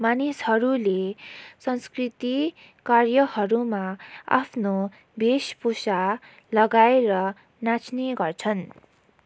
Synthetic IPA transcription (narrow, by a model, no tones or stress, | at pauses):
manishʌɾulesʌnskrit̪i | karjʌhʌɾumaa̰pʰno | bespusa | lʌɡaeɾʌ | nat͡sneɡʌrt͡sʰʌn